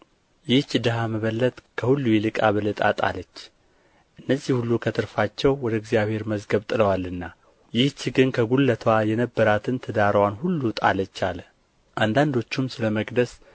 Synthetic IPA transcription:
jɪht͡ʃːd̪əɦaməβəlːət̪ʼkʰəhulːujɛlɨkʼaβəlɨt̪ʼa̰t̪ʼa̰lət͡ʃː | ʔɨnːəzːihulːukʰət̪ʰɨɾfat͡ʃːɛwwɔd̪əɡzjaβhe̞ɾməzɡəβt̪ʼɨləwalːɨnːa | jɪht͡ʃːɡɨnkʰəɡulːət̪ʰwajɛnəbːəɾat̪ʰɨnt̪ʰəd̪aɾəwanhulːut̪ʼa̰lət͡ʃːalə | ʔand̪and̪o̞t͡ʃːumsɨləməɡd̪əs

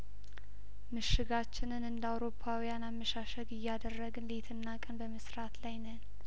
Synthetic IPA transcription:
mɨʃɪɡat͡ʃːɪnɨnɨnd̪awɾo̞pʰːawijanamːəʃaʃəɡɨjːad̪ərːəɡɨnlet̪ʰɨnːakʼənbəməsɾat̪lajnən

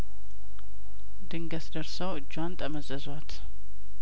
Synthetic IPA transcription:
d̪ɨŋɡəsd̪əɾsəwɨd͡ʒwant̪ʼəməzəzwat̪

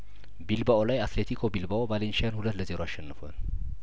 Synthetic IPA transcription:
bilbaʔolajat̪let̪ʰikʰo̞bilbaobalenʃijanhulət̪ːləze̞ɾoaʃːɛnːɨfoa̰n

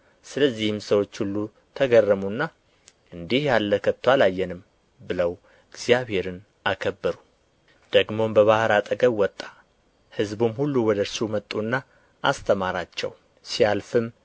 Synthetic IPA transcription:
sɨləzːihɨmsəwo̞t͡ʃːhulːu | t̪ʰəɡərːəmunːa | ʔɨnd̪ihjalːəkʰət̪ʰːwalajːɛnɨm | bɨləw | ɨɡz̥jaβhe̞ɾɨn | akʰəbːəɾu | d̪̥əɡmo̞mbəβahɾat̪ʼəɡəβwɔt̪ʼːḁ | hɨzbumhulːuwɔd̪əɾsumət̪ʼːunːa | ʔast̪ʰəmaɾat͡ʃːɛ̰w | sijalfɨm

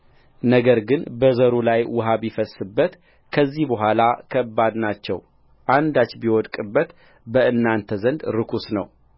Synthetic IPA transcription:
nəɡəɾɡɨnbəzəɾulajwʊɦaβifəsːɨbːət̪ | kʰəzːihbəɦʷalakʰəbːad̪nat͡ʃːɛ̰w | ʔand̪at͡ʃːbiwɔd̪kʼɨbːət̪ | bəɨnːant̪ʰəzənd̪ɾɨkʰusnəw

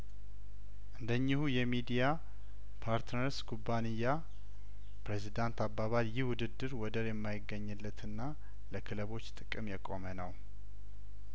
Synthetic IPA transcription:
ʔɨnd̪əɲːɪhujɛmid̪ija | pʰaɾt̪nəɾskʰubːanijːa | pɾezid̪ant̪abːaβaljɪhwʊd̪ɨd̪ːɨɾwɔd̪əɾjɛmːajɪɡːəɲːɨlːət̪ʰɨnːa | ləkʰɨləβo̞t͡ʃːt̪ʼɨkʼːɨmjɛkʼomənəw

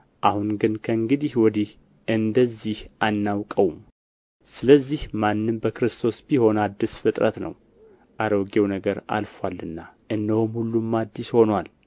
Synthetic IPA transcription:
ʔahunɡɨnkʰəɨŋɡɨd̪ihwɔd̪ih | ʔɨnd̪əzːihʔanːawkʼəwum | sɨləzːihmanːɨmbəkɨɾɨst̪ʰo̞sbiho̞nad̪ːisfɨt̪ʼɾət̪nə̰w | ʔaɾoɡewnəɡəɾa̰lfalːɨnːaʔɨnd̪əhumhulːumːad̪ːisho̞nwal

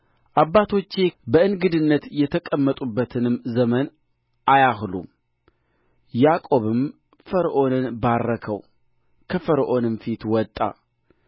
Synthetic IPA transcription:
ʔabːat̪ʰo̞t͡ʃːebəɨnɡɨd̪ɨnːət̪jɛt̪ʰəkʼəmːət̪ʼubːət̪ʰɨnɨmzəmən | ʔajahlṵm | jakʼo̞βɨm | fəɾʔo̞nɨnbarːəkʰəw | kʰəfəɾʔo̞nɨnfit̪wɔt̪ʼːa̰

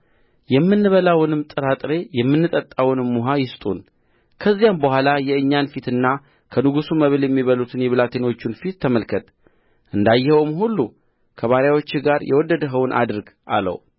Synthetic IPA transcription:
jɛmːɨnːɨβəlawnɨmt̪ʼɨɾat̪ʼɾe̞jɛmːɨnːɨt̪ʼət̪ʼːawnɨmːuɦajɪst̪ʼun | kʰəzːijambəɦʷalajɛɨɲːanfit̪ɨnːa | kʰənɨɡusuməβljɛmːiβəlut̪ʰɨnjɛβɨlat̪ʰeno̞t͡ʃːunfit̪ːəməlkʰət̪ | ʔɨnd̪ajːɪhəwmhulːu | kʰəβaɾjawo̞t͡ʃːɪɡaɾjʔɛ̰wɔd̪ːəd̪əɦəwnʔa̰d̪ɨɾɡʔa̰lːə̰w

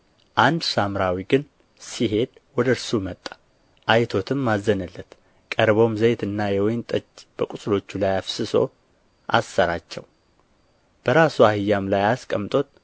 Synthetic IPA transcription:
ʔand̪samɾawiɡɨn | siɦe̞d̪wɔd̪əɾsumət̪ʼːḁ | ʔajt̪ʰo̞t̪ʰɨmːazːənəlːət̪ | kʼəɾbo̞mzəjt̪ɨnːajɛwɔjnt̪ʼət͡ʃːb̥əkʼusʼlo̞t͡ʃːulajafsɨso̞̰ | ʔa̰sːəɾat͡ʃːɛw | b̥əɾasuahɨjːamlajaskʼəmt̪ʼo̞t̪

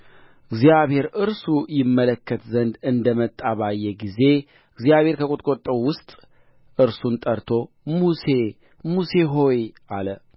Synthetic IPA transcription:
ɨɡzijaβhe̞ɾɨɾsujɪmːələkʰːət̪zənd̪ɨnd̪əmət̪ʼːaβajːɛɡize̞ | ɨɡzijaβhe̞ɾkʰəkʼut̪ʼkʼot̪ʼːəwwʊst̪ʼ | ʔɨɾsunt̪ʼəɾt̪ʰo̞ | muse | muse̞ɦo̞jʔalə

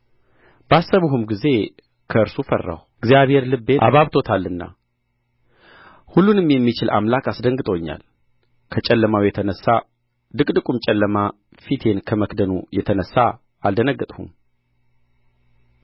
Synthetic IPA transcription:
basːəβəɦumɡize̞ | kʰəɨɾsufərːa̰wɨɡzijaβhe̞ɾlɨbːeʔa̰βaβt̪ʰo̞t̪ʰalːɨnːa̰ | hulːunɨmjɛmːit͡ʃɪla̰mlakasd̪əŋɡɨt̪ʼəwɲːa̰l | kʰət͡ʃʼɛlːəmawjɛt̪ʰənəsːa | d̪ɨkʼd̪ɨkʼumt͡ʃʼɛlːəma | fit̪ʰe̞nkʰəməkd̪ənṵjɛt̪ʰənəsːa | ald̪ənəɡːət̪ʼhṵm

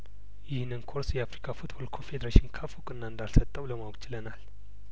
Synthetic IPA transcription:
jɪhnːɨnkʰoɾsjɛafɾikʰafut̪bo̞lkʰofe̞d̪əɾeʃɪnkʰafukʼɨnːand̪alsət̪ʼːəwləmawkʼt͡ʃɪlənal

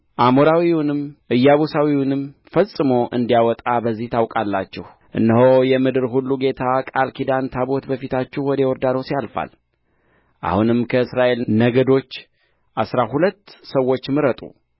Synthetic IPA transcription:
ʔamoɾawiwʊnɨmʔɨjːaβosawiwunɨmfəsʼɨmo̞ʔɨ̰nd̪ijawɔt̪ʼabəzːiht̪ʰawkʼalːat͡ʃːɛh | ʔɨ̰nːəɦo̞jɛmɨd̪ɨɾɦulːuɡe̞t̪ʰakʼalkʰid̪ant̪ʰaβo̞t̪bəfit̪ʰat͡ʃːɛhwɔd̪əwɔɾd̪ad̪o̞sjalfa̰l | ʔa̰hunɨmkʰəɨsɾaʔe̞lnəɡəd̪o̞t͡ʃː | ʔasɾahulət̪ːsəwːo̞t͡ʃːmɨɾət̪ʼṵ

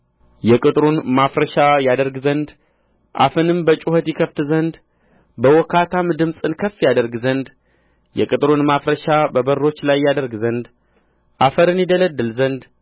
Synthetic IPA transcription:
jɛkʼɨt̪ʼɾunmafɾəʃajad̪əɾɡzənd̪ | ʔa̰fɨnɨmbət͡ʃʼuhət̪jɪkʰəft̪zənd̪ | bəwɔkʰːat̪ʰamd̪ɨmsʼɨnkʰəfːjad̪əɾɡzənd̪ | jɛ̰kʼɨt̪ʼɾunmafɾəʃabəbərːo̞t͡ʃːlajːad̪əɾɡzənd̪ | ʔafəɾɨnjɪd̪ələd̪ːɨlzənd̪

